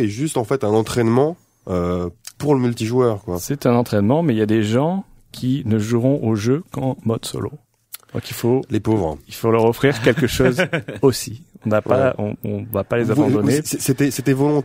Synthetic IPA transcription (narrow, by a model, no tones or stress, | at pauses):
ɛʒyst̪ɑ̃fɛt̪ɛ̃nɑ̃t̪χɛnmɑ̃ | øpuʁləmylt̪iʒwœːʁkwasɛt̪ɛ̃nɑ̃t̪χɛnmɑ̃mɛiljad̪eʒɑ̃ | kʲʰinəʒuʁɔ̃ʔoʒøkɑ̃mɔd̪sɔ̰lo̰ | d̪ɔ̰̃kilfolepovʁilfolœʁɔfχiʁkʲɛlkəʃozosiɔ̃napaɔ̰̃ɔ̰̃vapalezabɑ̃d̪ɔneset̪ɛset̪ɛvɔlɔ̃t̪